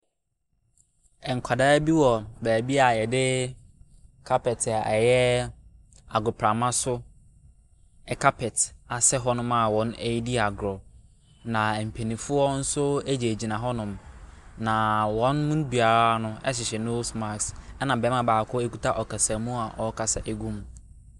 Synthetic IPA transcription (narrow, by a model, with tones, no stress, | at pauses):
ɛ˨ŋ̩˨kʷʰa˨daː˦bi˦wɔ˨bæː˨bi˦a˨jɛ˨dɪ˦ | kʰa˦pɛ˨tʰa˨ɛ˨jɛ˦ | a˨ɡɾʊ˨pʰɾa˨mã˦sʊ˦ | ɛ˨kʰa˦pʰɛ˨ta˨sɛ˦ɦɔ˦nʊ̃˦ma˨wɔ̃˨ne˦ji˦di˦a˨ɡɾɔ˨ | nã˨m̩˨pʰe˨nĩ˨fʊ˦ɔ˦n̩˦sʊ˦æ˦d͡ʑi˨æ˨d͡ʑi˨nã˨ɦɔ˦nʊ̃˨mnã˨wɔ̃˦nmũ˦n˦bɥa˨ɾa˦nʊ̃˦ɛ̰˦s̬ɪ˨ɕɛ˨no˦sma˨ksɛ˦nã˨bɛ˨˦mã˦baː˨kʰɔ˦e˦ku˦tʰa˦ʔɔ˨kʰa˨sã˨mũ˦a˨ʔɔ˨˦kʰa˨sa˦ʔe˦ɡũ˦m